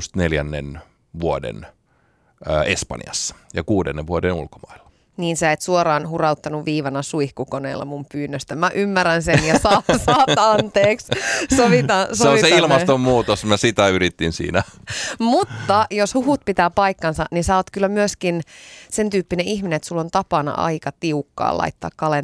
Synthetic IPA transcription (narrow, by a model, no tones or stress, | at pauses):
st̪neljænːḛn | ʋuodḛn | əespɑ̰njɑ̰sːɑ̥jɑkuːdḛnːeʋʋuodenṵlko̥mɑilːɑ̥ | niːnsæeːt̪suoɾɑːnhurɑut̪ːɑnuʋʋiːʋɑnɑsuihkukonḛːlːɑ̰mumpyːnːøst̪æmæʔymːærænsenjɑsɑːsɑːtɑnt̪eːkssoʋit̪ɑsoeoniseilmɑst̪ommuːt̪osmæsit̪æyɾit̪ːinsḭːnæmut̪ːɑjoshuɦut̪̚pit̪æːpɑikːɑnsɑninsæːoːt̪kylːæmyøskinsent̪yːpːineʔihmineet̪sulːont̪ɑpɑnɑ̰ʔɑ̰ikɑt̪iukːɑ̰ːlɑ̰it̪ːɑ̰ːkkɑlen